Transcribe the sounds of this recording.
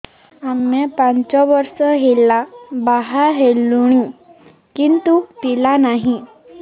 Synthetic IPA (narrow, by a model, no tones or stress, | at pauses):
amːepãnt͡ɕɔʋəɾsəɦelabaɦaɦelːuɽ̃i | kint̪upilanaɦi